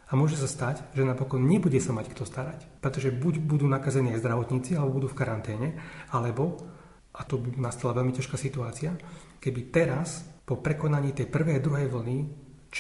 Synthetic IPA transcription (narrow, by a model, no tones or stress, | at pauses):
amʊɔʒɛsast̪acʒɛnapɔkɔnɲɛbuɟɛsamackt̪ɔst̪aɾacpɾɛt̪ɔʒɛbuɟbud̪uːnakazɛniːazd̪ɾaʋɔt̪ɲiːt͡sialɛbɔbud̪uːfkaɾant̪ɛːɲɛalɛbɔ | ʔat̪ɔbinast̪alaʋɛʎmicaʃkaːsit̪uaːt͡sɪa | kɛbit̪ɛɾaspɔpɾɛkɔnaɲiːt̪ɛjpr̩ʋɛjd̪ɾuɦɛjʋl̩ni | t͡ʃ